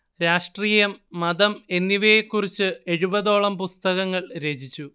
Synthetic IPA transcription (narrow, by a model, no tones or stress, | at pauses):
ɾaːʂʈriːjɐmːɐðɐme̞nːiʋɐjekːurit͡ɕːɨe̞ɻubɐðo̞ːɭɐmpust̪ɐɣɐŋːɐɭɾe̞ːd͡ʑit͡ɕːu